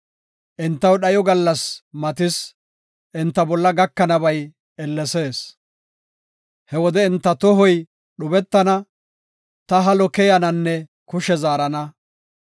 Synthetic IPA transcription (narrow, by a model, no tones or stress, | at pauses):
ʔɪnt̪ːɐwɗɐjɔɡɐlːɐsmɐt̪ɪs | ʔɪnt̪ːɐbɔlːɐɡɐkːɐnɐbɐj | ɛlːɛse̞ːs | hɛwɔd̪ɛɪnt̪ːɐt̪ɔɦɔj | ɗʊbɛt̪ːɐnɐ | t̪ɐɦɐlɔkɛjɐnɐnːɛ | kʊʃɛzaːɾɐnɐ